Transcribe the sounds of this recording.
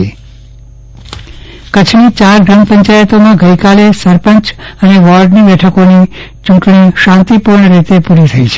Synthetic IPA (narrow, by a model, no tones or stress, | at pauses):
i | kət͡ʃʰmit͡ʃaɾɡɾəmpəɲt͡ʃajət̪omãɡəjkalesəɾpəɲt͡ʃəneʋɔɾɖnibɛʈʰəkonit͡ʃũɳʈɳ̃iʃãnt̪ipuɾɳəɾit̪epuɾit̪ʰəit͡ʃʰe